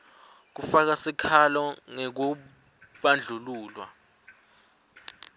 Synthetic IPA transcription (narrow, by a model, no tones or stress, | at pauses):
k̬ufak̬asikʰalɔŋɛk̬u | ɓand͡ɮʱuluːlwa̰